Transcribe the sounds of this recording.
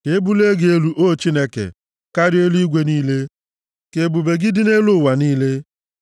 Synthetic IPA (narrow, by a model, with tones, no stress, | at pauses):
ke˨e˦bu˦le˦ɡe˦lu˨ʔo˦˨t͡ʃi˦ne˦kḛ˨ | ka˦ɾɪ˦e˦li˦ɡʷe˦niː˦le˦ | ke˨bu˨be˨ɡɪ˦dɪ˦ne˦lʊ˦˨wa˨niː˦le˦